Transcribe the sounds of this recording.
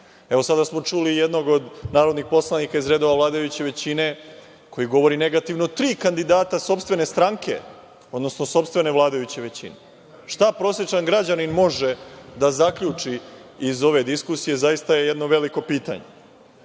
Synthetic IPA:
e̞ʋosad̪asmo̞t͡ʂulijed̪noɡo̞d̪naːɾo̞d̪nixpo̞slˠanikaizɾeːd̪o̞ʋaʋlˠaːd̪ajut͡ɕe̞ʋe̞t͡ɕine̞ | kʰo̞jiɡo̞ʋo̞ɾine̞ɡat̪iʋnot̪ɾiːkand̪id̪aːt̪aso̞pst̪ʋe̞ne̞st̪ɾaŋke̞̰ | o̞d̪no̞sno̞so̞pst̪ʋe̞ne̞ʋlˠaːd̪ajut͡ɕe̞ʋe̞t͡ɕḭne̞ | ʃt̪apɾo̞sje̞t͡ʃaŋɡɾad͡ʑaninmo̞ʐed̪azakʎut͡ʂiizo̞ʋe̞d̪iskusije̞zajist̪aje̞jed̪noʋe̞liko̞piːt̪a̰ɲe

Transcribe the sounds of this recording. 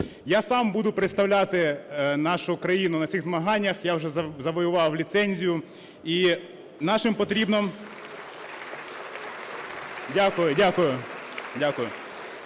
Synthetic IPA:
jasɑmbud̪ʊpɾɪt̪st̪ɐwlʲat̪ɪnɑʃʊkɾɐjinʊnɐt͡sʲiɣzmɐɦɑnʲːɐxjawʒɛzɐzɐʋɔjʊʋɑwlʲit̪sɛnʲzʲijʊ | i | nɑʃɪmpɔt̪ɾʲibnɔm | dʲakʊjʊdʲakʊjʊdʲakʊjʊ

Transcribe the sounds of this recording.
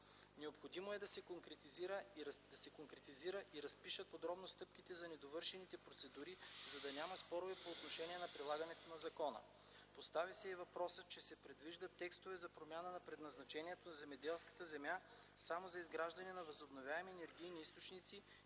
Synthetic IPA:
nɛopxod̪imoɛd̪ɐsɛkoŋkɾɛt̪iziɾəd̪ɐsɛkoŋkɾɛt̪iziɾəʔiɾɐspiʃət̪̚pod̪ɾɔbnost̪ɤp̚k̟it̪ɛzɐnɛd̪ovɤɾʃɛnit̪ɛpɾot̪sɛd̪uɾizɐd̪ɐnʲamɐspɔɾovɛpoːt̪noʃɛniɛnɐpɾilˠaɡɐnɛt̪onɐzɐkɔnə̰ | post̪avisɛivɐpɾɔsət͡ʃɛsɛpɾɛd̪viʒd̪ət̪ːɛkst̪ovɛzɐpɾomʲjanənɐpɾɛd̪nɐznɐt͡ʃɛniɛt̪onɐzɛmɛd̪ɛlˠskɐ̥t̪əzɛmjasamozɐizɡɾaʒd̪ɐnɛnɐvəzobnovʲjaɛmiɛnɛɾɡʲijniist̪ot͡ʃnit̪si

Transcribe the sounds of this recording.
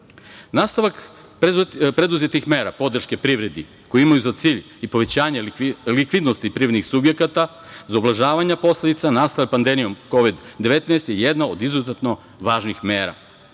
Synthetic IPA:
naːst̪aʋak | pɾe̞d̪uzet̪ixme̞ːɾapo̞d̪r̩ʃke̞pɾiʋɾe̞d̪i | kojeimajuzat̪siːʎ | ipo̞ʋe̞t͡ɕaːɲelikʋid̪nost̪ipɾiɾed̪nixsubje̞kat̪a | zaoblaʒaːʋaɲapo̞sle̞d̪it̪sanaːst̪aʋak̚pand̪e̞mijo̞mko̞ʋid̪ːeʋet̪naest̪jejed̪naod̪izuzet̪no̞ | ʋaːʒnixmeːɾa̰

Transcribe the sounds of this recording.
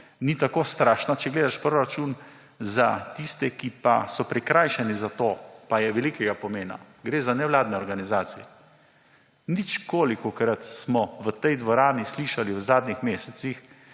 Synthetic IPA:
nit̪akoːst̪ɾaːʃnat͡ʃɛɡleːd̪aʃpɾoɾat͡ʃun | zat̪ist̪ɛkipasɔpɾɛkɾaːjʃɛnizat̪oːpajɛʋɛlikɛɡapɔmeːna̰ | ɡɾeːzanɛʋlaːd̪nɛɔɾɡanizaːt̪sijɛ | nit͡ʃkoːlikɔkɾat̪smɔʋət̪ɛjd̪ʋɔɾaːnisliːʃaliwzaːd̪nixmeːsɛt̪six

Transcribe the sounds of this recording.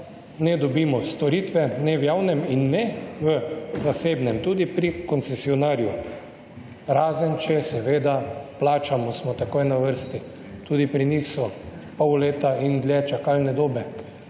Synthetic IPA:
nɛd̪ɔbiːmɔst̪ɔɾiːt̪ʋɛnɛwjawnɛminːɛʋəzaseːbnɛmt̪uːd̪ipɾikɔnt̪sɛsiɔnaːɾju | ɾaːzənt͡ʃɛsɛʋeːd̪aplaːt͡ʃamɔsmɔt̪akoːjnaʋəɾst̪i | t̪uːd̪ipɾinixsɔpɔwleːt̪aind̪ljɛt͡ʃakalnɛd̪oːbɛ

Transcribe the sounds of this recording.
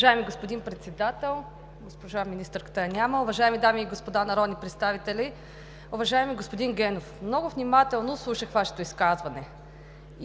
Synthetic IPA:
ʒaɛmiɡospod̪inpɾɛt̪sɛd̪at̪ɛlˠ | ɡospoʒaminist̪əɾkə̥t̪əjɐnʲaməʊvɐʒaɛmid̪amiːɡospod̪anɐɾɔd̪nipɾɛt̪st̪avit̪ɛli | ʊvɐʒaɛmiɡospod̪inɡɛnofmnɔɡʊvnʲimat̪ɛlˠnoslˠuʃəxvaʃɛ̥t̪oiskazvɐnɛ

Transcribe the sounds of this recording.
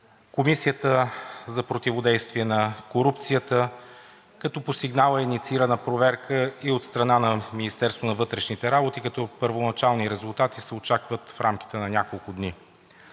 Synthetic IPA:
komisiət̪əzɐpɾot̪ivod̪ɛjst̪viɛnɐkoɾup̚t̪sijət̪ə | kɐt̪ɔpost̪iɡnalˠəinit̪siiɾənəpɾovɛɾkəiot̪st̪ɾɐnanɐminist̪ɛɾst̪vonɐvɤt̪ɾɛʃnit̪ɛɾabot̪ikɐt̪ɔpəɾvonɐt͡ʃalˠniɾɛzʊlˠt̪at̪isɛot͡ʃakvət̪fɾamk̟i̥t̪ɛnɐnʲakolˠkʊd̪ni

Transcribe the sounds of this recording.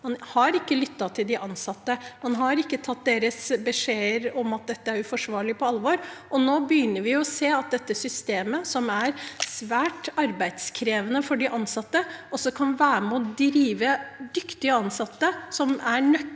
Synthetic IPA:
mɑnhɑɾɪkːəlʏt̪ːɑt̪ʰɪld̪ɪʔɑnsɑt̪ːəmɑnɦɑɾɪkːət̪ʰɑt̪̚d̪eːɾəsbəʂeːəɾɔmɑt̪̚d̪ɛt̪ːəæɾʉfɔʂʋɑːɭɪpʰɔɑlʋɔɾʔɔnoːbəjʏnːəɾʋɪʊɔseːɑt̪̚d̪ɛt̪ːəsʏst̪eːməsɔmæɾsʋæːʈɑɾbæɪd̪skʰɾeːʋənəfɔɖɪʔɑnsɑt̪ːəʔɔsːɔkʰɑnʋæːɾəmɛɔd̪ɾiːʋəd̪ʏkt̪ɪəɑnsɑt̪ːəsɔmæɳœ

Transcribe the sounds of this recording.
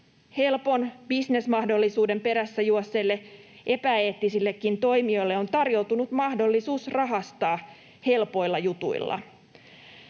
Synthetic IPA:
he̞lpo̞nb̥isne̞smɑhdo̞lːisuːde̞mpe̞ɾæsːæjuɑsːelːe̞ | ʔe̞pæe̞ːt̪ːisilːe̞kːint̪o̞jmio̞jlːeont̪ɑrjo̞wt̪unut̪mɑhdo̞lːisuːsrɑɦɑst̪ɑː | he̞lpo̞jlːɑjut̪ṵḭlːɑ̰

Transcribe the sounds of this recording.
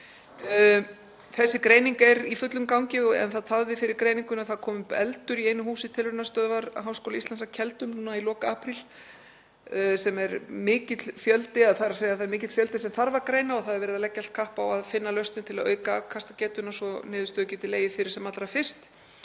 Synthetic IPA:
θɛsːɪkɾejniŋkɛɾifʏt̪lʏmkawɲcɪɔɛ̰nθaðt̪ʰavðɪfɪɾɪɾkɾeːjniŋkʏnaθaðkʰɔːmʏpɛ̰lt̪ʏɾieːjnʏhuːsɪ̥t̪ʰɪlvʏnast̪œːðvaɾɦawskowlaist̪ansacʰɛlt̪ʏmnuːnailɔːkaaːpɾil̥ | sɛmɛɾmɪːcɪt̪lfjœlt̪ɪaðθaɾaseːjaθaðɛɾmɪːcɪt̪fjœlt̪ɪsɛmθaɾvaɾkɾeːjnaɔθaðɛɾvɛːɾɪðalɛcːalt̪̚kʰahpawaðfɪnːalœɥst̪ɪnt̪ʰɪlaðœːɥkakʰast̪acɛːt̪ʏnasɔnɪːðʏst̪œːcɛt̪ɪleːjɪfɪɾɪɾ̥sɛmat̪lɾafɪr̥st̪

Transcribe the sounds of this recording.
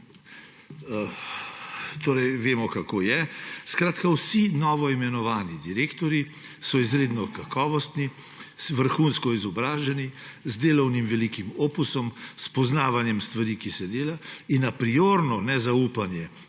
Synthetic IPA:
t̪oːɾɛjʋeːmɔkakoːjɛskɾaːt̪kawsinɔːʋɔimɛnɔʋaːnid̪iɾeːkt̪ɔɾji | sɔizɾeːd̪nɔkakɔːʋɔst̪ni | sʋəɾxuːnskɔizɔbɾaːʒɛnizd̪eːlɔwnimʋɛlikimoːpusɔmspɔznaːʋanjɛmst̪ʋaɾikisɛd̪eːlainːapɾioɾnɔnɛzauːpanjɛ

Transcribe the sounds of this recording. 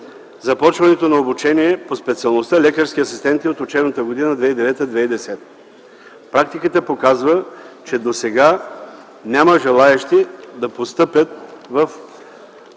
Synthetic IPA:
zɐpɔt͡ʃvɐnɛt̪onɐobut͡ʃɛniɛpospɛt̪siɐlˠnost̪alʲɛkəɾsk̟ʲiɐsist̪ɛnt̪iot̪ot͡ʃɛbnət̪əɡod̪inəd̪vɛid̪ɛvɛt̪əd̪vɛid̪ɛsɛt̪ | pɾak̚t̪ikət̪əpokazvət͡ʃɛd̪osɛɡa | nʲaməʒɛlˠaɛʃt̪id̪ɐpost̪ɤpjət̪̚vɐf

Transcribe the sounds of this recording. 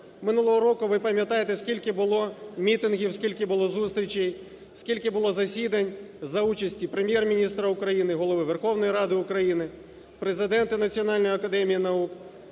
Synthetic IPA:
mɪnulˠɔɦɔɾɔkʊʋɪpɐmʲjɐt̪ɑjet̪esʲkʲilʲkɪbʊlˠɔmʲit̪ɪnɦʲiwsʲkʲilʲkɪbʊlˠɔzust̪ɾʲit͡ʃɛj | sʲkʲilʲkɪbʊlˠɔzɐsʲid̪ɐnʲ | zɐut͡ʃɐsʲtʲipɾemʲjɛrmʲinʲist̪ɾɐʊkɾɐjinɪɦɔlˠɔʋɪʋerxɔwnɔjiɾɑd̪ɪʊkɾɐjinɪ | pɾezɪd̪ɛnt̪ɪnɐt͡sʲiɔnɑlʲnɔjɐkɐd̪ɛmʲijinɐuk

